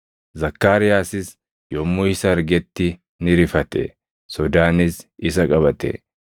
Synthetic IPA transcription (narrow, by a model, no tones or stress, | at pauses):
zɐkːaːɾɪjaːsɪs | jɔmːoɪsɐːɾɡɛt̪ːɪ | nɪɾɪfɐt̪ɛ̰ | sɔd̪aːnɪsɪsɐkʼɐβɐt̪ɛ̰